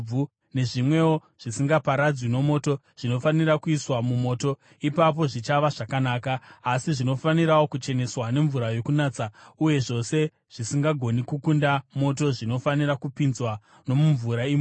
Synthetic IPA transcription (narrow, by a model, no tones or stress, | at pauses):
b͡vu | ne̞ʐimwe̞o | ʐ̥isiŋɡapaɾad͡zwino̞mo̞ːto̞ | ʐ̥ino̞fanirakuiswamumo̞ːto̞ | ipap̬o̞ʐit͡ʃaʋaʐakanaːkaːsiʐino̞faniɾawokut͡ʃe̞ne̞swane̞ɱvuɾajo̞kunaːt͡sauje̞ʐo̞se̞ | ʐ̥isiŋɡaɡʱo̞nikukundamo̞to̞ʐino̞fanirakupinzwa | no̞muɱvuɾaim